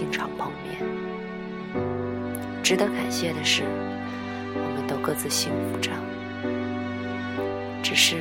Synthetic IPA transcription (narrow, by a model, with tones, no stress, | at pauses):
i˥˩ŋʈ͡ʂʰɑ˨˩ŋpɑ˥ŋmjɛ̰˥˩n | ʈ͡ʂɻ̩˧˥d̪ə˧ka˨˩nɕjɛ˥˩d̪ə˩ʂɻ̩˥˩ | wɔ˨˩mə˧˦nt̪ə˧kɤ˥˧t͡sɹ̩˥˧ɕi˥n˧u˧˩ʈ͡ʂɑ˥˩ŋ | ʈ͡ʂɻ̩˨˩ʂɻ̩˥˩